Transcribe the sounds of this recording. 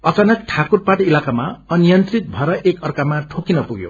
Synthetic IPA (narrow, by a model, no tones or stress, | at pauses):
ʌkanʌt̪̚ʈʰakurpaʈilakamaʌnijʌnt̪rit̪̚bʱʌɾʌʔekʌrkamaʈʰokinʌpuɡjo̰